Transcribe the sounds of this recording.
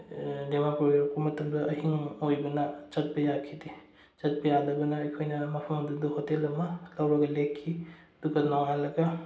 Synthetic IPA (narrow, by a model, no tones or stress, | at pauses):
demapɾojoɾkumɐtʰɐmdɐɐɦiŋojbɐnɐt͡ʃɐt̚bɐjakʰidi | t͡ʃɐt̚bɐjadɐbɐnɐːjkʰojnɐmɐpʰɐmɐmdudɐhotelɐmɐlɐwɾɐɡɐlekʰːiɐduɡɐnoŋalɐɡɐ